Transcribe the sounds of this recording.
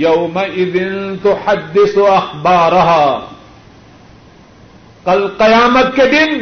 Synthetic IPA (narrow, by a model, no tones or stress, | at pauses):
jɐwmɐʔɪðɪnt̪ʊħad̪ːɪsɐxbɑːɾɐɦaː | qɐlqɪjaːmɐt̪̚ked̪ɪn